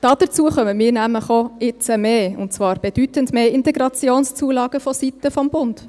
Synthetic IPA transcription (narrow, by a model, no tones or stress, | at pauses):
d̥ɑːd̥ət͡suəχœməmiːɾnæmləχoɪt͡səmeːʊ̰ntt͡svɑːɾb̥ed̥ytəntmeːɪntɛɡɾɑt͡sjoːnst͡suəlɑːɡ̥əfɔsitəfɔmbʊnd̥